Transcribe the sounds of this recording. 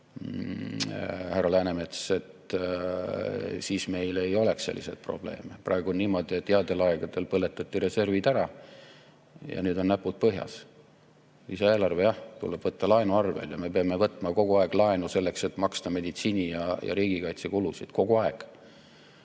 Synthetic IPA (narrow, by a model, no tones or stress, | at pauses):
hærːɑlæːnemet̪se̞t̪ | siːsme̞jle̞jo̞le̞ksse̞̰lːḭse̞̰t̪̚pro̞̰b̥le̞̰ːmeprɑeɡuo̞nːiːmo̞d̪iet̪ːeɑd̪elɑɛɡ̥ɑd̪̥e̞lpɤlːe̞t̪ːˑɑt̪ːiɾe̞se̞rvid̪̥æɾɑ | jɑ̰nyːd̪o̞nnæpːut̪̚pɤɦjɑ̰s | isɑeːlɑrve̞jɑht̪ṵlːeb̥vɤt̪ːɑlɑenuɑrvḛljɑme̞peɑme̞vɤt̪ːˑmɑko̞ɡ̥uɑeɡ̥lɑenuse̞lːe̞kse̞t̪ːˑmɑkst̪ɑme̞d̪it̪siːnʲijɑjɑ̰ɾiːɡikɑjt̪se̞kulusid̪̥ko̞ɡuɑeɡ̥